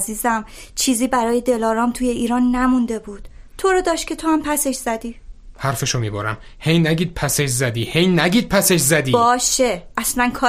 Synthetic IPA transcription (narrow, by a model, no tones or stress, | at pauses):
ziːzæmt͡ʃʰiːziːbæɾɒːje̞d̪e̞lɒːɾɒːmt̪ʰuːje̞iːɾɒːnːæmund̪e̞buːd̪̥t̪ʰo̞ɾod̪ɒːʃt̪̚cʰʲe̞t̪ʰohæmpʰæseʃz̥æd̪iːhæɾfeʃomiːbo̰ɾæ̰m | hejnæɡiːd̪̥̚pʰæseʃzæd̪iːhejnæɟiːd̪̚pʰæseʃzæd̪iːbɒːʃe̞ʔæslænkʰɒː